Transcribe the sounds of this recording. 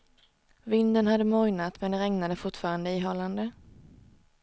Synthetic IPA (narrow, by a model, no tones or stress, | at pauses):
vɪnd̪ənhad̪ːəmɔɾnat̪mɛnd̪ɛɾɛŋnad̪əfʊʈfɑːɾand̪əiːɦɔland̪ə